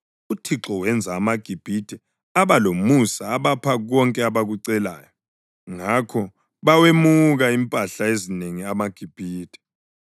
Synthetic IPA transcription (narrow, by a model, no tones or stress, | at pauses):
utʰiǁɔwɛnd͡zʱaːmaɡ̥ʱib̥ʱidʰʱʼɛ | aβalomusaːβapʰaɣɔŋkʼɛaβaɣuǀɛla̰ːjɔ | ŋakʰɔ | βawemuɣaimpʼaɬaezineŋiamaɡ̥ʱib̥ʱiːd̥ʼʱɛ̥